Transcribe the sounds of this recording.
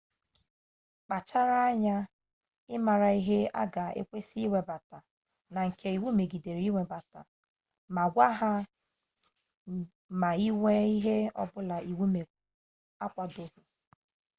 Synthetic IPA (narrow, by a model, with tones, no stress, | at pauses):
k͡pa˨t͡ʃa˦ɾa˦a˦ɲa˦ | ɪ˦ma˨ɾa˨i˦ɦe˦a̰˦ɡa˨ḛ˦kʷe˦si˦i˦we˨ba˨ta˨ | na˨ŋ̩˨kʰe˨i˨wu˦me˨ɡi˨de˨ɾi˨˦i˦wʷe˨ba˨ta˨ | ma˨ɡʷa˦ɦa˦ | ma˨i˦we˦i˦ɦe˦ɔ̰˦bʊ˦la˨i˨wu˦me˨ | a˦kʷa˨do˦ɦu˨